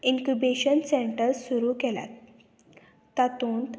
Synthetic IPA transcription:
iŋkubeɕənseɳʈəɾsuɾuːkela̰t̪ | at̪uːnt̪

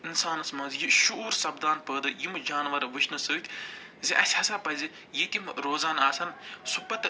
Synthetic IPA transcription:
insaːnɐsmɐ̃ːzjiʃuuːɾsɐbd̪aːnpəːd̪ɨjimɨd͡ʒaːnʋɐɾʋɨʃʰnɨsəːt̪ʰʲ | ziʔɐsʲhɐsaːpɐzʲi | jekʲimɾoːzaːnaːsɐnsupɐt̪

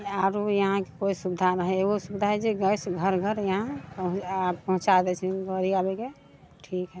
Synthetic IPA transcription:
aɾujəɦãke̥koisubid̪ʱanəɦɛeosubid̪ʱaɦɛd͡ʒeɡəsɡʱəɾɡʱəɾjəɦãpɦapəɦũt͡ʃad̪ɛt͡ʃʰiɡəɾiabeke | ʈʰikɦɛ

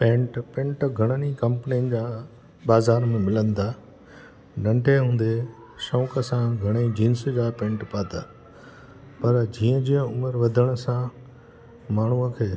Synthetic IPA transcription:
pẽːɳʈpɛ̃ɳʈɡʱɐɽ̃ənikɐ̃mpəniənɪ̆d͡ʑaː | baːzaːɾmẽmɪlə̃nd̪aː | nɐ̃ɳʈeɦũːn̆d̪e | ʃõːkəsãɡʱɐɽ̃ed͡ʑĩnsd͡ʑaːpẽːɳʈpaːt̪aː | pɐɾd͡ʑiːə̃d͡ʑiːə̃ʊməɾʋɐd̪ʱəɽ̃sã | maːɳ̤uəkʰeː

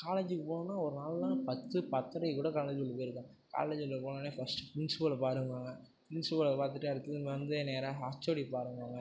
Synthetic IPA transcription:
kaːleːd͡ʒɯkːɯpoːnaːɔɾɯnaːllãːpɐt̪ːɯpɐt̪ːɐɾɐɪkuːɽɐkaːled͡ʒɪɔlːpoːjɪɾɯkːãː | ka̰ːleːd͡ʒɪlpoːnaːneːfɐsʈɯ̥pɪnspolɐpaːɾɯŋʋaːŋɡɐ | pɾɪnspoːlɐpaːɾt̪ɯʈːɐɽɯt̪ːɯmɐnd̪ɯeːneːɾãːɦaːt͡ʃːoːɽipaːɾɯŋaːŋɡɐ

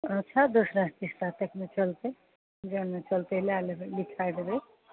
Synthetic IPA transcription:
ətːʃʰad̪osɾãst̪ist̪at̪ekʰnet͡ʃəlt̪e | d͡ʒənmet͡ʃəlt̪eɦlealelikʰajd̪ebe

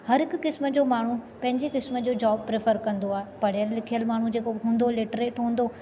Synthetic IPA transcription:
hɐɾɦɪkʊkɪsmə̆d͡ʑoːmaːɳ̤upɐ̃ɦɪ̃ɲd͡ʑekɪsmə̆d͡ʑoːd͡ʑaːb̚pɾeːfəɾkɐ̃nd̪oaːɦepɐɽ̤ijəlːɪkʰijəlmaːɳ̤ud͡ʑeːkoɦũːnd̪olɪʈɾeːʈɦũːn̆d̪o

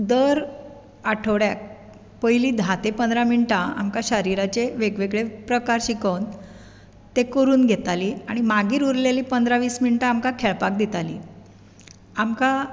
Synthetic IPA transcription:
d̪əɾ | aʈʰəʋɽjak̚ | pəjliːd̪ʱat̪epənd̪ɾaminʈãa̰mkaɕəɾiɾat͡ɕeʋeɡʋeɡɭepɾəkaɾɕikəwn | t̪ekəɾuːnɡʱet̪aliːaɽ̃imaɡiːɾuɾleliːpənd̪ɾaʋiːsminiʈaːmkakʰeɭpak̚d̪it̪alḭː | amka

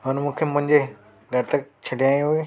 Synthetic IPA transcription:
ɦonmũːkʰemʊ̃ɦɪ̃ɲd͡ʑe | ɡʱɐɾt̪ək̚t͡ɕʰɐɖʱijaːj̃ɦue

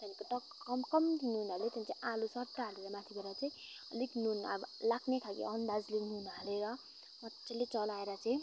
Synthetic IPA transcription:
t̪anikoʈʌk | ʌmkʌmd̪inuɦunɦʌlet̪aĩt͡sãĩʔalusʌʈ̪ːaɦʌɾuɾamat̪ʰibʌɾat͡saĩ | likʰnuna̰blakʰnekʰakḛʌnd̪ad͡zlikʰnuɦunɦʌleɾʌ | mʌt͡sʰelet͡sʌlaeɾʌt͡saĩ

